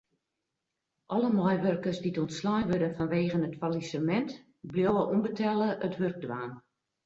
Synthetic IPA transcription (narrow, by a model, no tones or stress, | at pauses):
ʔɔləmɔjʋørkərsditɔntslɔjʋødənfɔnʋeːɣənətfalisəmɛnt | bljoəʔumbətʰɛlˠəʔətʰʋørk̚dwaːn